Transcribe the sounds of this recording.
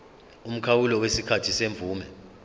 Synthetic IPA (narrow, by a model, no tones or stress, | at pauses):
um̩kʰawulɔwesikʰatʰiseɱvuːmɛ